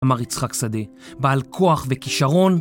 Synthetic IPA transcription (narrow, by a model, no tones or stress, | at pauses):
maʁit͡sχaksad̪e | baalkʰoaχve̞kiʃaʁo̞n